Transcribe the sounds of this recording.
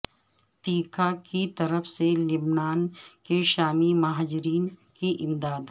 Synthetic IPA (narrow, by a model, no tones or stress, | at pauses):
t̪iːkʰakit̪ɐɾəfselɪbnaːnkeʃaːmimɐɦaːd͡ʒɾiːnkiʔɪmd̪aːd̪